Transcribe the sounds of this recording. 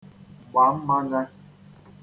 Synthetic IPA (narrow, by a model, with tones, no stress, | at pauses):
ɡ͡ba˨˦m̩˦ma˦ɡa˦